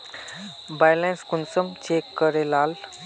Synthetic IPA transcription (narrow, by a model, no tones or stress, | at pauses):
bajlẽnskunsəmt͡ɕekːəɾelal